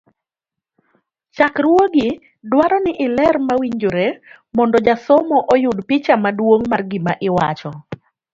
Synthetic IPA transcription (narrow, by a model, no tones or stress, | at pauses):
t͡ʃakɾwoɡɪ | dwaɾɔnɪʔɪlɛrmawiɲd͡ʒoɾe | mɔndɔd͡ʒasɔmɔʔojʊdpɪt͡ʃamadwoŋmarɡɪmaʔɪwat͡ʃɔ